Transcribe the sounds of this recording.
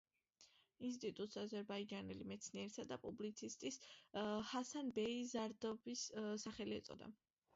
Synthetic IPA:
ins̬t̪ʼit̪ʼut̪ʼsazɛɾbaid͡ʒanɛlimɛt̪sʰniɛɾisad̪apʼublit̪sʰist̪ʼishasanbɛizaɾd̪ɔbissaχɛliɛt̪sʼɔ̰d̪a̰

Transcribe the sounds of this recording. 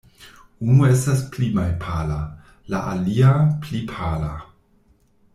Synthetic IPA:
unuestasplimajpʰala | laʔaliaplipʰala

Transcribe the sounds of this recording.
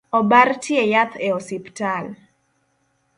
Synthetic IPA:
ɔbartjɛjat̪eɔsiptal

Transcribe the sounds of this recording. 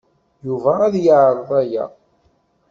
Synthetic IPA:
juvæːðjəʕɾɾˤðˤæjæ̰

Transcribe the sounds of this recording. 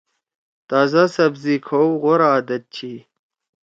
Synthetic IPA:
t̪aːzasɐbzikʰowʁoɾaːd̪ɐt̪̚t͡ɕʰi

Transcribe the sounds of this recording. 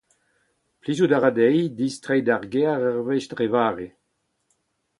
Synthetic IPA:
plizudaʁadɛjdistʁɛjdaʁɡeaʁaʁvɛʃdʁevaːʁe

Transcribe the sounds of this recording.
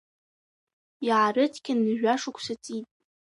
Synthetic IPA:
iʕarɨtʰkʲʰʼɪnːɨʒᶣaʂʊkʷʰsat͡sʼitʼ

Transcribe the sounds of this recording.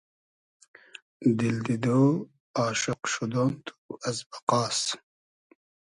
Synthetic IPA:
d̪ild̪id̪oː | ɑːʃɪqʃud̪ont̪ʰuɐzbɐqɑːs

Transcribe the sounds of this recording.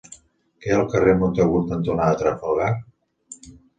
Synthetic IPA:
kɛəlˠkəremont̪əɣunt̪ənt̪unaət̪ɾəfəlɣar

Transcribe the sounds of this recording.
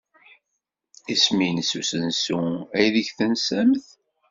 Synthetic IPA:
isminsusənsuæjðəçθənsæmθ

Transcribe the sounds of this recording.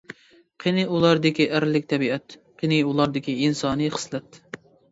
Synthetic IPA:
qʰenɨulˠɑɾd̪ɪkʲiʔæɾlɪkʲt̪ʰɛbiɛt̪qʰenɨulˠɑɾd̪ɪkʲiinsɑːnɨχə̥slɛt̪

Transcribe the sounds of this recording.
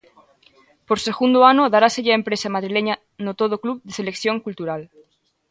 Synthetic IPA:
poɾse̞ɣund̪oanoðaɾaseʎaempɾesamaðɾileɲa | not̪oð̞okluβðeselekθjoŋkult̪uɾal

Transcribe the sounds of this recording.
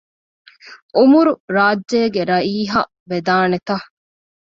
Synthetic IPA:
ʔumuɾuɾaːd͡ʒd͡ʒeːɡeɾɐiːɦɐ̰ | ʋed̪aːnet̪ɐ

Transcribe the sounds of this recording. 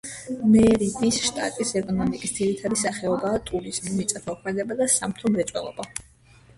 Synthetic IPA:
mɛɾib̪isʃt̪ʼa̰t̪ʼisɛkʼɔnɔmikʼisd̪ziɾit̪ʰad̪isaχɛɔbaːt̪ʼuɾizmimit̪sʼat̪ʰɔkʰmɛd̪ɛbad̪asamt̪ʰɔmɾɛt̪t͡ʃ̪ʼwɛ̰lˠɔ̰ba

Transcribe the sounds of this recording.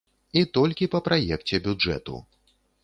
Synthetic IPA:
it̪ɔlʲkʲipɐpɾʔajɛkt͡sʲɛbʲud͡ʐɛ̰t̪ṵ

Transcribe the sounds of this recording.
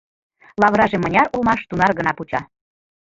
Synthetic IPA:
lɑβɾɑʒemə̆nʲɑɾolmɑʃt̪unɑrɣə̆nɑput͡ɕɑ

